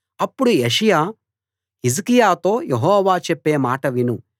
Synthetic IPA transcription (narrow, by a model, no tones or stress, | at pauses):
ɐpːuɽueʂɐjaː | hizkijaːt̪o̞ːjeɦɔːʋaːt͡ʃepːe̞ːmaːʈɐʋinu